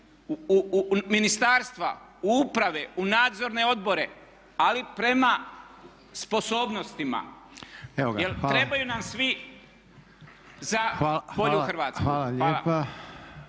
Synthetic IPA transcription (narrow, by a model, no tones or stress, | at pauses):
minist̪aːɾst̪ʋa̰ | uupɾaʋe̞unaːd̪zo̞ɾne̞o̞d̪̚bo̞ɾe̞ | alipɾe̞ma | spo̞so̞ːbno̞st̪ima̰ | eojelt̪ːɾe̞bajunamsʋi | zaapoʎuxɾ̩ʋaːt̪skauːlaʎeːla̰pa